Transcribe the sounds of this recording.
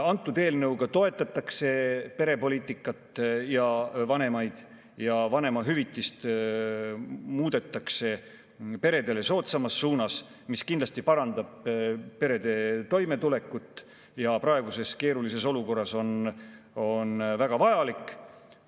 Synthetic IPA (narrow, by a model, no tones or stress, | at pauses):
ɑnt̪ːˑud̪e̞ːlnɤwɡ̥ɑt̪o̞e̞t̪ːˑɑt̪ːˑɑkse̞pe̞ɾe̞po̞lʲiːt̪ːˑikːˑɑt̪ːˑjɑvɑne̞mɑjd̪̥ | jɑvɑne̞mɑɦyvit̪ːˑist̪ | muːd̪̥e̞t̪ːˑɑkse̞ | pe̞ɾe̞d̪e̞le̞so̞ːt̪sɑmɑsːuːnɑs | miskind̪lɑst̪ipɑɾɑnd̪̥ɑb̥̚e̞ɾe̞d̪̥e̞t̪o̞jme̞t̪ule̞kːˑut̪ːˑ | jɑprɑe̞ɡ̥use̞ske̞ːɾulise̞so̞luko̞rːɑso̞n | o̞nvæɡ̥ɑvɑjɑlikːˑ